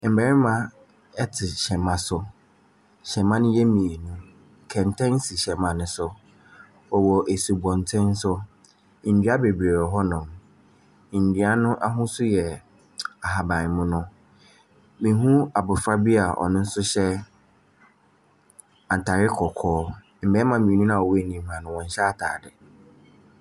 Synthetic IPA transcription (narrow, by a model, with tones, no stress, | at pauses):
m̩˨bɛ˨ɾɪ˦mã˨ | ɛ˦tʰɪ˨ɕɛ̃˨mã˨sʊ˦ | ɕɛ̃˨mã˦nʊ̃˦jɛ˦mĩ˨e˨nũ˦ | kʰɛ̃˨n˨tʰɛ̃˦n˦si˨ɕɛ˨mã˨nʊ̃˦sʊ˦ | ɔ˨wɔ˨ʔe˨su˨bɔ̃˨n˨tʰɛ̃˦n˦sʊ˦˨ | n̩˨dɥa˦be˨bi˨e˨ɾɔ˨ɦɔ˦nʊ̃˨m˨ | n̩˨di˨˦a˦nʊ̃˦ʔa˦ɦʊ̃˦sʊ˦jɛ˨ | a˨ɦa˨bã˨n˨mʊ̃˦nʊ̃˦ | mĩ˨ɦũ˦a˨bʊ˨fɾa˦bi˦a˨ʔɔ̰˨nʊ̃˦n̩˦sʊ˦ɕɛ˦ | ã˨n˨tʰa˨ɾɪ˦kʰɔ˨kʰɔː˦ | m̩˨bɛ˨˦mã˨mĩ˨nũ˦nã˨ɔ˨wnĩ˨hã˨nʊ̃˨wɔ̃˨n˨ɕɛ˦a˦tʰa̰ː˨dɪ˨